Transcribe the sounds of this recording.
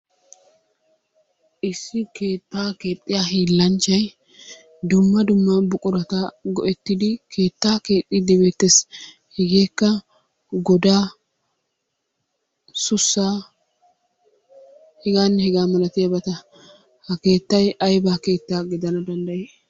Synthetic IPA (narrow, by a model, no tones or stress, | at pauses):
ʔɪsːɪke̞ːt̪ːaːke̞ːt̪ʼːɪjaːhiːlːɐnt͡ʃːɐj | d̪ʊmːɐd̪ʊmːɐbʊkʼʊɾɐt̪ɐɡɔʔɛt̪ːɪd̪ɪkʰe̞ːt̪ːaːke̞ːt̪ʼːɪd̪ɪbet̪ːes | hɛɡeːkːɐ | ɡɔd̪aː | sʊsːaː | hɛɡaːnːɛhɛɡaːmɐlɐt̪ɪjɐbɐt̪ɐ | hɐke̞ːt̪ːɐjɐjbaːke̞ːt̪ːaːɡɪd̪ɐnɐd̪ɐnd̪ɐjeː